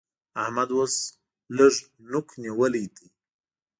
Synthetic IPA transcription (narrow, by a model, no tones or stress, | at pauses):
ahmad̪wəs | ləʐ | nʊkʰniwəlijt̪i